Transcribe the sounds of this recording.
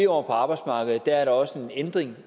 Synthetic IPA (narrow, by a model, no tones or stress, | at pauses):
ɒ̰pʰɒ̽ɑ̈ːb̥ɑ̈ɪd̥smɑ̈ːɡ̥əð̩ˠd̥æɐæɐɾɑɒ̽səe̝nend̥ʁeŋ